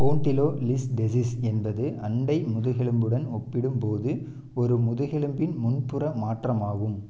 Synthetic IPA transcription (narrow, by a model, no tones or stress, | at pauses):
koːɳʈɪloːlɪsɖɛs̬isɛnbɐðɯʔɐɳɖɐɪmʊðɯɣɛɭɯmbɯɽɐnɔpːɪɽɯmpoːðɯ | ɔɾɯmʊðɯɣɛɭɯmbɪnmʊnpɯrɐmaːʈrɐmaːɣɯm